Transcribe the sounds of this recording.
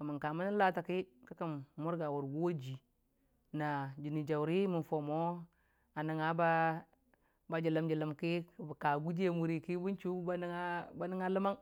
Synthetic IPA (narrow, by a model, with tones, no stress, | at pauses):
ka˨mi˨ŋka˨ma˦ni˦la˦ta˨ki˦ka˦ka˦˨mmu˦ɾɡa˨wu˨ɾɡu˦wo˦d͡ʒi˨ | na˨d͡ʒi˨ni˨d͡ʒa˨wɾi˦mi˨fo˨mo˦ | a˨ni˨ŋa˦ba˦ | ba˦d͡ʒi˨la˨md͡ʒi˨la˨mki˦kbka˨ɡu˦d͡ʒe˦mu˨ɾi˨ki˦bu˦nt͡ʃu˦ba˦n˦ŋa˦ba˦ni˦ŋa˦lə˦ma˦ŋ